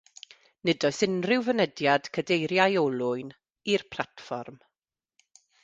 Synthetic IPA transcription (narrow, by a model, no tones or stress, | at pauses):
nɪdɔjsɪnrɪwvənədjad̥kʰədejɾjajɔlˠʊɨn | irpʰl̥atfɔrm